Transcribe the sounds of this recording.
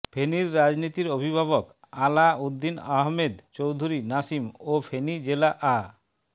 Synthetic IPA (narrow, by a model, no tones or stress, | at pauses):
pʰeniɾːad͡ʑnit̪iɾobʱibʱaβok | alaod̪ːinaɦmed̪t͡ɕowd̪ʱuɾinasimopʰenid͡ʑelaʔa